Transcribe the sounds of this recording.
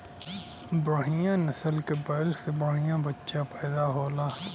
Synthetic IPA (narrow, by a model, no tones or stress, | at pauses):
bəɽɦijãnɐsəlkebɐːlsebəɽɦijãːbətːʃapɛːd̪aɦoːlaː